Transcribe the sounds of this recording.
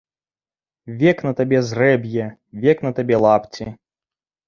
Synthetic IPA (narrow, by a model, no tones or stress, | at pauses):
vʲɛknɐt̪abʲɛzrɛbʲjɛvʲɛknɐt̪abʲɛlˠapt͡sʲi